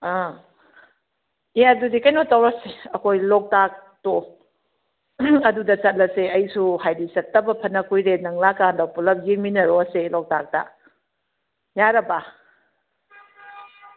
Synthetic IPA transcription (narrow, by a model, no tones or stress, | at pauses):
a | ijadudikɐjnotɐwɾɐseɐkʰojlok̚tak̚to | ɐdudɐsɐt̚lɐseɐjsuhajdisɐt̚tːɐbɐpʰɐnːɐkʰujɾenɐŋlakandɐwpulɐp̚ɡiminɐɾoɐselok̚tak̚tɐ̰ | jaɾɐba